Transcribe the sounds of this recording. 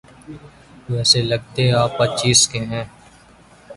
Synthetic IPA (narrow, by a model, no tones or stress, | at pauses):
ʋɛːseləɡ̚t̪eaːpːətːt͡ʃiːskeɦɛ̃ː